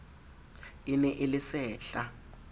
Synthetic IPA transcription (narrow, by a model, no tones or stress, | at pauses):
inɛʔɪlɪsɛːɬa